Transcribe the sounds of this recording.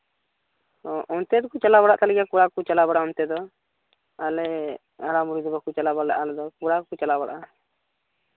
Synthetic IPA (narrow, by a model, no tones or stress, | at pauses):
ɔʔɔnt̪ɛd̪kut͡ʃalabaɽa̰ʔt̪alɛɡjakuɽakut͡ʃalabaɽaɔnt̪ɛd̪ɔ | alɛ | aɾamuɾid̪ɔbakut͡ʃalabaɽlɛʔalɛd̪ɔkuɽakut͡ʃalabaɽʔa